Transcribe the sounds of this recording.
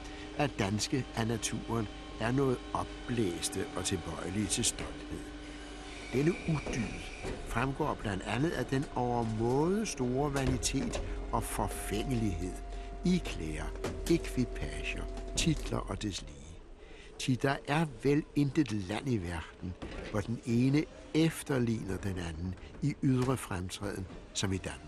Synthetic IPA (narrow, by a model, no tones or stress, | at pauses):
ʔæd̥ænsɡ̥əænæt͡sʰṵːɐn | æɐnɔ̽ːð̞̩ˠɒ̽b̥ːlḛːsd̥əʔɒ̽t͡sʰe̝lb̥ɒ̽ɪ̰əlit͡sʰe̝sd̥ɒ̽ld̥he̝ð̞̰ˠ | d̥enəud̥y̰̥ː | fʁamɡ̥ɒ̰ːb̥lænd̥ænð̞̩ˠæd̥enɒʊɐmɔːð̩ˠsd̥o̝ːɐʋænit͡sʰe̝̰ːd̥ɒ̽fɒ̽feŋ̰əliɦe̝ð̞̰ˠikʰleːɐekʰʋipʰæɕɐt͡sʰid̥lɐʔɒ̽d̥esliː | t͡sʰid̥ɑ̈ʔæɐʋele̝nd̥ed̥læn̰iʋæɐd̥n̩ʋɒd̥ene̝ːnə | efd̥ɐlḭːnɐd̥enænn̩iʔyð̞ˠʁəfʁamt͡sʰʁɛ̰ð̰ˠn̩sɒ̽mid̥æn